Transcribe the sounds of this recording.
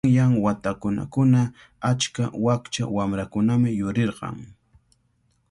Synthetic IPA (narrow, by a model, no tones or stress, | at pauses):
ŋjaŋwat̪akʊna̰kʊna | at͡ʃkawakt͡ʃa̰wamɾakʊnamɪjʊɾeɾɢɑ̰ŋ